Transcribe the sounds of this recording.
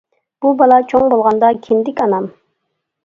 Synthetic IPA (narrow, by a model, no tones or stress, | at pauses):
b̥ubɑlˠɑt͡ʃʰoŋbolˠʁɑnd̪ɑkʲʰɪnd̪ɪkʲɑnɑm